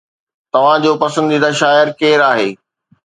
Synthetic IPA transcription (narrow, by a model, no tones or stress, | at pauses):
t̪ɐʋ̤ãd͡ʑoːpɐsə̃nd̪id̪aʃaːɪɾkeːɾaːɦeː